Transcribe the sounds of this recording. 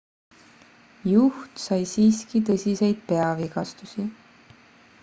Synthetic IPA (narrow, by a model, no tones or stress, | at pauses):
juht̪sɑjsiːskit̪̬ɤsʲise̞jd̪̥̚pe̞ɑviɡ̥ɑst̪usi